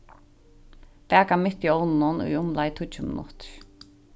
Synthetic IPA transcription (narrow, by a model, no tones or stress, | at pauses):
pɛːkamɪht̪jownnʊnṵjʊmlajt̪ʰut͡ʃʰʏmɪ̰nʊ̰t̪ɾ̥